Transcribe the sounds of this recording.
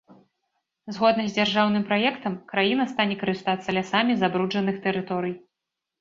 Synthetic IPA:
zɣɔd̪nɐzʲd͡zʲarʐawnɨmpɾajɛkt̪ɐmkɾajinɐst̪anʲɛkɐɾɨst̪at̪sːɐlʲasamʲizabɾud͡ʐɐnɨxt̪ɛɾɨt̪ɔɾɨj

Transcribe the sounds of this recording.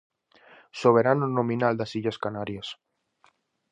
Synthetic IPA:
soβ̞eɾanonõmĩnald̪asiʎaskanaɾjas

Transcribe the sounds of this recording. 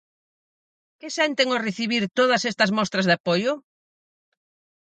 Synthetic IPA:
kɪsɛnt̪eŋʊreθiβiɾt̪oðɐsɛst̪ɐzmɔst̪ɾɐzðapojʊ

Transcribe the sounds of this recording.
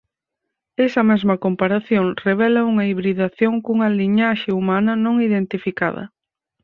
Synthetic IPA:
ɛsɐmɛzmɐkompaɾaθjoŋreβ̞ɛlɐuŋɐiβɾiðaθjoŋkuŋɐliɲaʃeumanɐnõŋiðent̪ifika̰ðɐ̰

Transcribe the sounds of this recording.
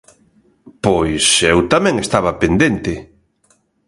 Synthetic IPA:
pojsewt̪amɛ̃ŋest̪aβɐpend̪ent̪ɪ

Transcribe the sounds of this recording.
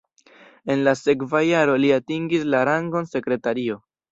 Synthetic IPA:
e̞nlase̞kvajaɾo̞liatiŋɡislaɾaŋɡo̞nse̞kɾe̞taɾio̞

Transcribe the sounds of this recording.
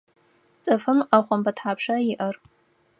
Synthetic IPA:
t͡sʼɐfɨmaχʷʊmbatʰħapʰʂaiʔɐr

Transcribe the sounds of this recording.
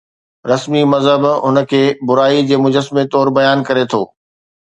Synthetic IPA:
ɾɐsmimɐzɦəbɦʊnə̆kʰeːbʊɾaːid͡ʑeːmʊd͡ʑəsmet̪ɔːɾbɐjaːnkɐɾet̪ʰoː

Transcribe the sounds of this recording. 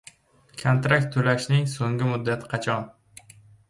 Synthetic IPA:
kʰont̪ɾakt̪ʰːɵlaʃnɪŋsoŋɡʲɪmʊd̪ːat̪ʰɪ̥qʰɑt͡ʃʰɒn

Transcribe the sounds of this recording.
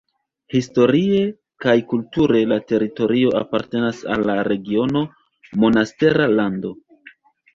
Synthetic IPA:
histo̞ɾie̞ | kajkultuɾe̞late̞ɾito̞ɾio̞ʔa̰paɾte̞nasa̰lːaɾe̞ɡio̞no̞ | mo̞naste̞ɾalando̞

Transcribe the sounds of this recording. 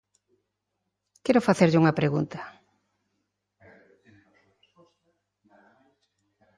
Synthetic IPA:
kɛɾʊfaθeɾʎɪuŋɐpɾeɣunt̪ḁ | sɔst̪

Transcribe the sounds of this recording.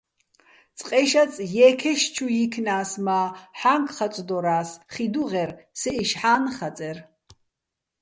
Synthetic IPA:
t͡sʼqʼɛʃat͡sʼjɛːkʰɛʃt͡ʃʰujikʰnaːsmaːħaŋkʰʼχat͡sʼd̪ɔɾaːsχid̪uʁɛɾsɛʔiʃħaːnχat͡sʼɛr

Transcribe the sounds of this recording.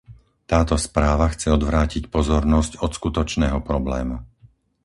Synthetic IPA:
t̪aːt̪ɔspɾaːʋaxt͡sɛɔd̪ʋɾaːcicpɔzɔɾnɔscɔt̪skut̪ɔt͡ʃnɛːɦɔpɾɔblɛ̰ːmu

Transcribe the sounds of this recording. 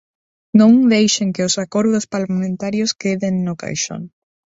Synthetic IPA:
nõŋd̪ejʃeŋkeʊsakoɾðʊspalamẽnt̪aɾjoskeðenːoka̰jʃo̰n

